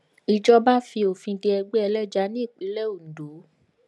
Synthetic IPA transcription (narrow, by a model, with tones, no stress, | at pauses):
i˨d͡ʒɔ˧ba˦fi˧o˨fĩ˧de˧ɛ˧ɡ͡be˦ɛ˧lɛ˦d͡ʒa˧˦nĩ˦i˦˨k͡pi˨˦lɛ˦o˦˨n̩˨do˨˦